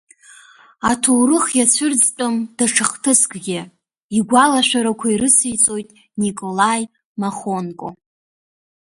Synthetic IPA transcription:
atʰowrɨχjat͡ɕʷʰɨrd͡zt͡pʼʊmd̥aʈ͡ʂʰɨχtʰɨskʼɡʲɪ | iɡʷalaʃʷᶣaɾakʷʰaiɾɨsijt͡sʼo̞jtʼ | nikʼo̞laj | maχonkʼo̰

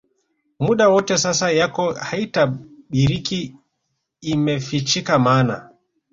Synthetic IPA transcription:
muɗawɔtɛsasajakɔhaitaɓiɾikiː | mɛfit͡ʃikamaːna

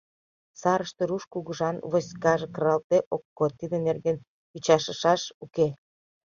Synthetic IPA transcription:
sɑɾəʃt̪eɾuʃkuɣəʒɑnvosʲkɑʒekrɑlt̪eʔokːot̪ːid̪enerɡen | yt͡ɕɑʃəʃɑʃuke

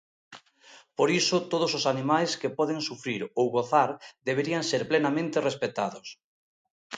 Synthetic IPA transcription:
poɾisʊt̪oðososanimajskepɔðeŋsufɾiɾowɣoθaɾd̪eβ̞eɾiaŋseɾplenamẽnt̪erespet̪aðos

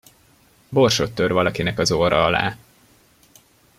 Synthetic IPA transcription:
bo̞rʃo̞t̪ːørvɒlɒkinɛkɒzoːɾɒɒla̰ː

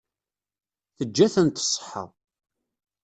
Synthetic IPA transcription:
θəd͡ʒːæθənt̪ə̥sˤːə̥ħːə̰ðˤ

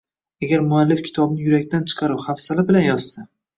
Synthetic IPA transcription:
aɡʲaɾmʊalːɪfkʲʰɪ̥t̪ʰɒbnɪjʊɾakʲt̪ʰant͡ʃʰɨ̥qʰɑɾɪpχafsalɪbɪlanjɒz̥sa

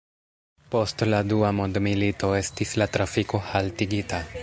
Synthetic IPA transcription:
po̞stladuamondmilito̞e̞stislatɾafiko̞haltiɡita

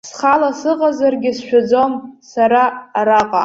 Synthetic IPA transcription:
sχalasɨqʼazarɡʲɪsʃᶣad͡zo̞msaɾaːɾaqʼa̰

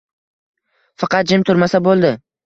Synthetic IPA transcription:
fɑqɑt̪̚d͡ʒɪmt̪ʰʊɾmasabolˠd̪ɪ

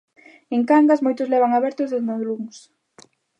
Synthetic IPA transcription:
eŋkaŋɡasmojt̪ʊzlɛβaŋaβɛɾt̪ʊzðend̪oðluŋs

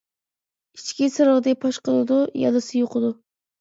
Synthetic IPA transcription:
it͡ʃʰkʲisɨɾəʁd̪ɛk̚ʲpʰɑʃqəlˠɨd̪ujɑ̰lˠɨsɨjoqʰəd̪u

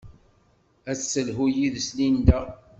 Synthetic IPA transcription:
æsːəlɦujiðslind̪æ

